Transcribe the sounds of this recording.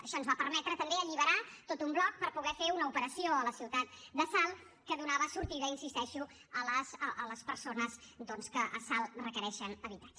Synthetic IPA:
əʃɔnzβapəɾmɛt̪ɾət̪əmbeəʎiβ̞əɾat̪ot̪umblɔk̚pəɾpuɣɛfeunəupəɾəsioələsiwt̪at̪̚d̪əsalˠ | kəðunaβəsuɾt̪iðəinsist̪ɛʃu | ələsəələspəɾsonəzd̪ɔnskəʔəsalˠrəkəɾɛʃənəβit̪ḁd͡ʒ

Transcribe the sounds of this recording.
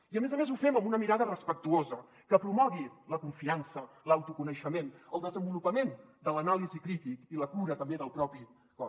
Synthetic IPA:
iəmezəmezufɛməmbunəmiɾaðərəspək̚t̪uozə | kəpɾumɔɣiləkuɱfiansə | ləwt̪ukunəʃəmenəlˠd̪əzəmbulupəmend̪ələnalizikɾit̪ikiləkuɾət̪əmbeðəlˠpɾɔpi | kɔ

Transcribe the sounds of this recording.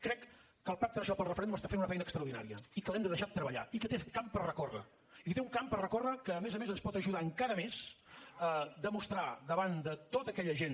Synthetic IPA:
kɾɛkː | əlˠpak̚t̪əɾəʃɔpəlˠrəfəɾɛnd̪uməst̪afenunəfɛjnəkst̪ɾəwɾðina̰ɾiə̰ikəlɛmd̪əðəʃad̪̚t̪ɾəβəʎa̰ikət̪ekampərrəkorə̰ | ikət̪euŋkampərrəkorəkəːmezəmezənspɔt̪əʒuðaəŋkaɾəmes | əd̪əmust̪ɾaðəβand̪ət̪ot̪əkɛʎəʒen

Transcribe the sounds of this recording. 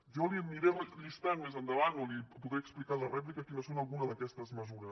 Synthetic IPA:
ʒɔliniɾeʎist̪aŋmezənd̪əβanolipuðɾeəksplikalərɛp̬likəkinosonəlˠɣunəðəkɛst̪əzməzuɾə

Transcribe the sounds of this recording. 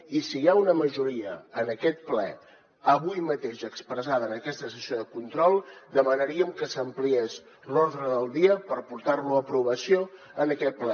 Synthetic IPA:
isijaunəməʒuɾiəənəkɛt̪̚plɛ | əβujmət̪eʃəkspɾəzaðənəkɛst̪əsəsioðəkunt̪ɾɔlˠd̪əmənəɾiəmkəsəmplies | loɾðɾəðəlˠd̪iəpəɾpuɾt̪arluəpɾuβ̞əsio | ənəkɛt̪̚plɛ

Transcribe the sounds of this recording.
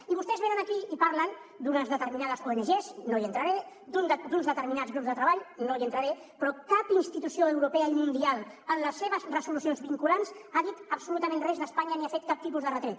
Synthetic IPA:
iβust̪ɛzβenənəkiipaɾlənd̪unəzðət̪əɾminað̞əskoenəʒeznojənt̪ɾaɾe | d̪und̪unzðət̪əɾminazɣɾupzðət̪ɾəβaʎnoiənt̪ɾaɾe | pɾɔkapinst̪it̪usioəwɾupeəimund̪ialˠənləsːeβəzrəsulusionzβiŋkulansaðit̪əbsulut̪əmẽnrɛzðəspaɲəniafet̪̚kap̚t̪ipuzðərət̪ɾet̪̚

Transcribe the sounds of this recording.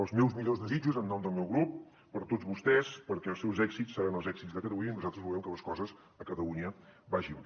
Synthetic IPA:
əlˠzmɛwzmiʎozðəzid͡ʒuzənːɔmd̪əlˠmɛwɣɾupː | əɾt̪od͡zβust̪ɛspəɾkɛəlˠsɛwzɛɡzisːəɾanəlˠzɛksid͡zðəkət̪əluɲəinuzalˠt̪ɾəzβulɛmkələskɔzəz | əkət̪əluɲəbaʒin

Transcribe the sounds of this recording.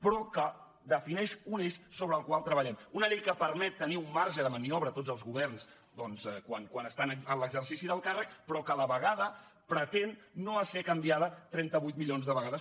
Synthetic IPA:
pɾɔkə | d̪əfinɛʃuneʃsoβɾəːlˠkwalˠt̪ɾəβəʎɛmunəʎɛjkəpəɾmɛt̪ːəniumːaɾʒəðəmənioβɾət̪od͡zzəlˠzɣuβɛrns | d̪ɔnzkwaŋkwanəst̪anəənləɡzərsisiðəlˠkarək̚pɾɔkələβəɣaðə | pɾət̪enːoəsekəmbiaðət̪ɾɛnt̪əβujt̪miʎonzðəβəɣaðəs

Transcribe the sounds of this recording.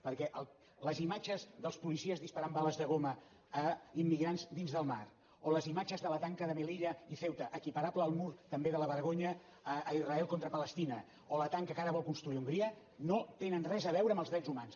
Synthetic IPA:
pəɾkɛʔəlˠ | ləzimad͡ʒəzðəlˠspulisiəzðispaɾambaləzðəɣ̞oməː | imːiɣɾanzd̪inzðəlˠma̰ɾ | oləzimad͡ʒəzðələt̪aŋkəðəməliʎəifɛwt̪əʔːkipəɾabləːlˠmuɾt̪əmbeðələβəɾɣoɲəː | izrəɛlˠkont̪ɾəpələst̪inə | olət̪aŋkəkaɾəβɔlˠkunst̪ɾuiuŋɡɾiə | not̪enənrɛzəβɛwɾəmbəlˠzðɾɛzumans

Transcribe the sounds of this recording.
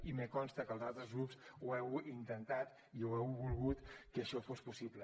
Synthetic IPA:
imekɔnst̪əkəːlˠzalˠt̪ɾəzɣɾupsuɛwint̪ənt̪at̪ | iuɛwβulˠɣut̪kəʃɔfospusiblə

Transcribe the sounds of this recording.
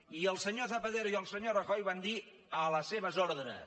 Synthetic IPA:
iəlˠsəɲozəpəðeɾoiəlˠsəɲorəxɔjβand̪i | ələseβəzoɾðɾə̰

